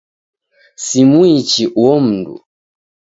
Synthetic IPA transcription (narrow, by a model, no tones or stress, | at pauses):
simuit͡ʃiʔuwɔm̩dṵ